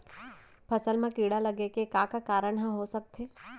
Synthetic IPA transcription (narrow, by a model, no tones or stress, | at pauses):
pʰɐsəlmãkiːɽalɐɡekekãːkakaːɾəɽ̃ɦə̃ɦosək̚t̪ʰeː